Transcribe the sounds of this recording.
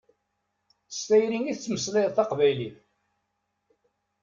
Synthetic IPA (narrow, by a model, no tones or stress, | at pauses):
st̪æjɾiŋiθt͡sːməsleðˤθɑqvæjliθ